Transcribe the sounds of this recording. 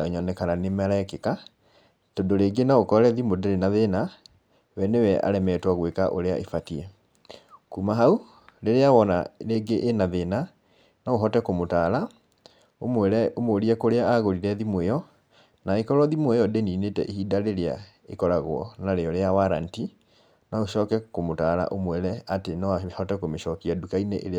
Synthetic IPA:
oɲɔnɛkananemaɾaɛkeka | todoɾeːɡenaokɔɾɛðimodeɾenaðena | wɛnewɛʔa̰ɾɛmɛtwaɣwekaʔoɾea̰ʔefatiɛ | kuːmaɦau | ɾeɾeawɔna̰ɾeɡeʔːnaðena | naoɦɔtɛkomotaːɾa | omwɛɾɛomoɾiɛkoɾeaaɣoɾiɾɛðimwɛjɔ | naekɔɾɔðimwɛjɔdeninetɛ̰ʔihiːdaɾeɾea̰ | ekɔɾaɣwɔ̰naɾeɔɾeawaɾa̰nti | naoʃɔːkɛkomotaɾa̰ʔomwɛɾɛatenɔhɔtɛkomeʃɔkiadukaineʔeɾe

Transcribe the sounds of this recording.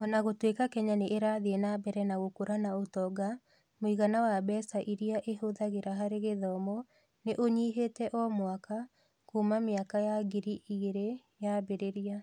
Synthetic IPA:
ɔnaɣotwekakɛɲaneʔeɾaðeenabɛɾɛnaɣokoɾanaotɔɡa | moiɣanawabɛsaʔiɾiaʔeɦoðaɣeɾaɦaɾeɣeðɔmɔ | neʔoɲiːɦetɛʔɔmwaka | kumameakajaɡiɾiiɾe | jabeɾeɾia

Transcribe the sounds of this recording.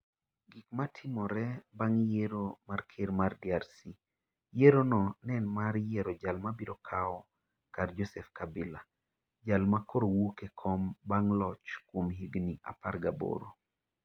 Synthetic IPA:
ɡikmatʰɪmɔɾɛbaŋjeɾomarkʰeɾmardiaɾsi | jeɾonɔnɛnmaɾjeɾod͡ʒalmabiɾokʰaɔ | kard͡ʒosɛfkabɪla | d͡ʒalmakoɾowukekʰɔmbaŋlɔt͡ʃkwomɦiɡniʔa̰pa̰rɡabo̰ɾo

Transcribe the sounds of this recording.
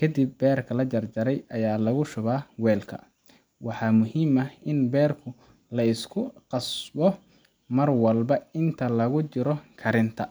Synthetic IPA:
kʰɐd̪ibːɛːrkʰɐlɐt͡ʃɐrt͡ʃɐɾɛjɐjaːlɐɣʊʃʊβaːwɛːlkʰɐ̰ | wɑħɑːmʊɦiːmɐɪnbɛːrkʰʊ | lɐɪskʰʊqɑsbɔ | mɐrwɐlbɐɪnt̪ʰɐlɐɣʊt͡ʃɪɾɔkʰɐɾɪnt̪ʰɐ

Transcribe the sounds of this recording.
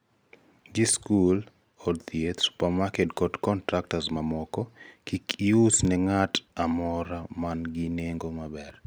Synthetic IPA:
d͡ʒiskul | ɔdt̪ijetsu̥pamakedkɔdkɔntɾak̚tasmamɔkɔkikiusnɛŋatamɔɾamanɡineŋɡomabɛr

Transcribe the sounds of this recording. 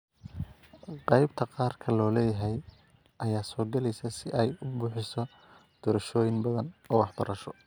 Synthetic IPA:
qɑjbt̪ʰɐqɑːrkʰɐlɔːlɛːjɐɦɛj | ʔɐjaːsɔːɡɐlɛjsɐsɪʔɛjʊbʊːħɪsɔ | d̪̥ɔːɾɐʃɔːjɪŋbɐðɐnɔːwɑħbɐɾɐʃɔ

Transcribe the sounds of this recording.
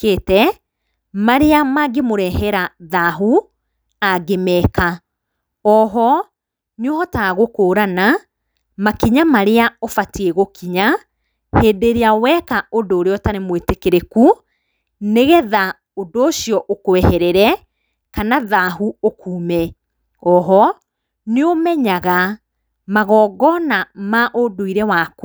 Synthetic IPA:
keːtɛ | maɾeamaɡemoɾɛɦɛɾaðaɦu | aɡemɛka | ɔɦɔ | nuhɔtaɣokoːɾana | makiɲamaɾeaofatieɣokiɲa | heːdeɾeawɛkaodoːɾeɔtaɾemwetekeɾeku | neɣɛða | odoːʃijɔʔokoɛhɛɾɛɾɛ | kanaðaɦuokuːmɛ | ɔɦɔ | neomɛɲaɣa | maɣɔːɡɔnamaʔodoiɾɛwaːku

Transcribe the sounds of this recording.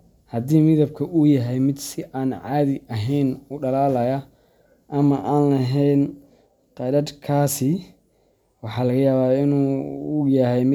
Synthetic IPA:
hɐd̪iːmɪðɐb̚kʰɐʔʊjɐɦɛjmɪd̪sɪʔaːnʕɑːðɪʔɐɦɛjnuːɖɐlaːlɐjɐ | ʔɐmɐʔaːnlɐɦɛjn | qɑɾɐd̪kʰaːsɪ | wɑħɑːlɐɣɐjaːβaːɪnuːʊjɐɦɛjmɪ

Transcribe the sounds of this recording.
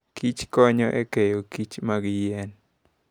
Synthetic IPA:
kʰit͡ʃkɔɲɔʔḛkejokit͡ʃmaɡjɛn

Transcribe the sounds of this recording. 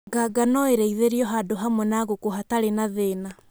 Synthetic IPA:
ɡaɡanɔeɾeiðeɾiɔɦadoɦamwɛnaɣokohataɾenaðeːna

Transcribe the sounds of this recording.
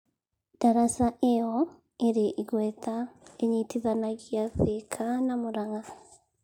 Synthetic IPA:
d̥aɾasaʔeɔ | eɾeʔiɣwetaeɲitiðanaɣjaðekʰanamoɾaɣa

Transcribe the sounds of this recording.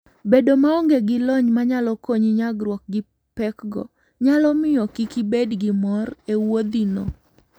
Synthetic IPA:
bedomaɔŋɡeɡɪlɔɲmaɲalɔkoɲiɲaɡɾwɔk̚ɡɪ | pɛkɡɔ̰ | ɲalɔmɪjɔkikibedɡɪmɔrewod̪ino̰

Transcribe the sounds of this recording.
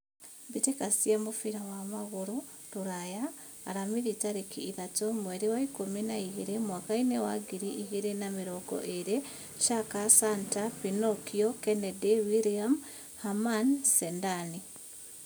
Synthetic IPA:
bitekasiemufiɾawamaɣuɾu | ɾuɾajaː | ɾamiɾitaɾikiːðatomweɾiwaikominaiɣiɾemwakainewa̰ɡiɾiʔiɣiɾenamiɾoɡo̰ʔeɾe | ʃakasantapinokiokenedewiɾiam | hamansendani

